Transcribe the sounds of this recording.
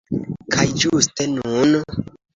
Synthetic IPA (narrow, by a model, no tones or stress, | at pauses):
kʰajd͡ʒustenun